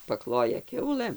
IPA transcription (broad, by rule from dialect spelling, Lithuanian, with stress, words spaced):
pɐˈklˠoːjɛ ˈkʲɛʊlˠɘm